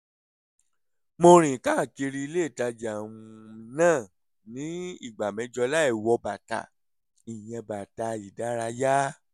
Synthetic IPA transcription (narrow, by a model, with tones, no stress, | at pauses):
mo˧ɾ̃ĩ˨ka˦˨ke˧ɾi˦i˧le˦˨ta˧d͡ʒa˨ũ˧nãː˦˨ | nĩ˨˦ḭ˦˨ɡ͡ba˨mɛ̃˨˦d͡ʒɔ˧la˦ɛ˦˨wɔ˧ba˨ta̰˨ | i˨j̃ɛ̃˧ba˨ta˧i˨da˨˦ɾa˧ja˦